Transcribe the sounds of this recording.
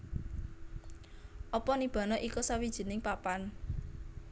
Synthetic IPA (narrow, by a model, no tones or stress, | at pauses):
ʔɔpɔnib̥a̤nɔʔikɔsawid̥ʒ̥i̤nɪŋpapan